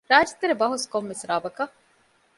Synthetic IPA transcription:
ɾaːd͡ʒɐt̪ːeɾebɐɦuskomʋesɾaːbɐkɐ

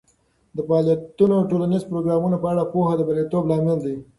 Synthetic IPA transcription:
d̪əfɑɑlijat̪unowʈolanizpɾoɡɾɑmunapəaɽapohad̪əbalet̪oblɑmɪld̪i

